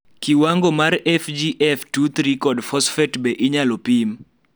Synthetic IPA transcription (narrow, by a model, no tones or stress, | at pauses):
kiwaŋɡomarɛfd͡ʒiʔɛftut̪ɾikɔdfɔsfɛtbɛʔɪɲalopim